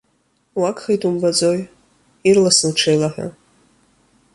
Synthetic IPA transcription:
wakχejtʼumbad͡zoj | irlaslʈ͡ʂʰejlaħʷᶣa̰

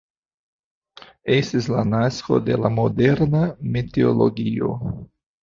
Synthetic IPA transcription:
est̪islanasko̞̰de̞lamo̞deɾnamet̪eolo̞̰ɡio̰

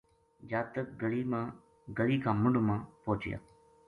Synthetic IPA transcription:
d͡ʒaːt̪ək̚ɡəɽiːmãː | ɡəɽiːkʰãːmʊɳɖmãːpoːt͡ʃɪja̰ː

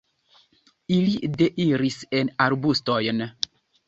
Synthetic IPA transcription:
ilideʔiɾisɛnaɾbustɔjən

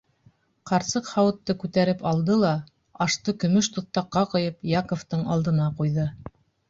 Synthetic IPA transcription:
qɑɾsɤqhɑwɤ̆t̪ːɤkʉt̪æɾɘpɑlˠd̪ɤlˠɑ | ɑʃt̪ɤkɵ̆mɵʃt̪ŏθt̪ɑqːɑqŏjɤpjɑkŏft̪ɤɴɑlˠd̪ɤ̆nɑqujðɤ

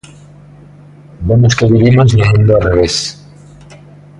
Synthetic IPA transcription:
bemoskeðiβimozneɦend̪oareβes

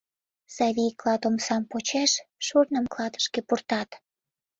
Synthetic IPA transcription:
sɑβʲijklɑt̪omsɑmpot͡ɕeʃʃurnəmklɑd̪ə̥ʃkepurt̪ɑt̪

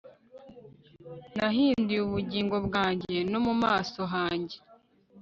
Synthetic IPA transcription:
naɦiːndiuβuɟiːŋɡo̞bɡaːɲɟe̞no̞mumaːso̞ɦaːɲɟe

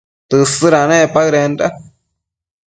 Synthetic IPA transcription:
t̪ɨsɨɾanẽpaɣɾenda

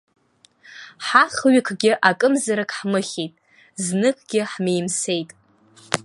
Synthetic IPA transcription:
ħaχɥɪkʷʰɡʲɪʔakʼɨmzaɾakʰʼħmɨχʲejtʼ | znɨkʰʼɡʲɪħmejmse̞jtʼ

